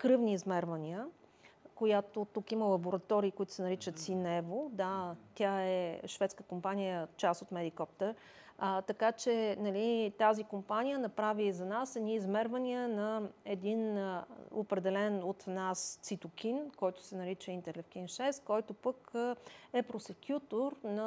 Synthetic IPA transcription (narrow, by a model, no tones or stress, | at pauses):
kɾɤvniːzmɛɾvɐniə | kojat̪ot̪ukiməlˠɐboɾɐt̪ɔɾiːkoʊit̪ʊ̥sɛnɐɾit͡ʃət̪sinɛvod̪at̪ʲjaɛʃvɛt̪skəkompanijət͡ʃast̪ot̪mɛd̪ikɔpt̪əɾ | t̪ɐkat͡ʃɛnɐlit̪azikompanijənɐpɾavizɐnasɛd̪nʲiːzmɛɾvɐniənɐɛd̪in | o̰pɾɛd̪ɛlɛnot̪nast̪sit̪ʊkʲʰinkɔjt̪ʊ̥sɛnɐɾit͡ʃəint̪ɛɾlɛfkʲinʃɛst̪kɔjt̪opək | ɛpɾosɛkʰʲjut̪oɾnɐ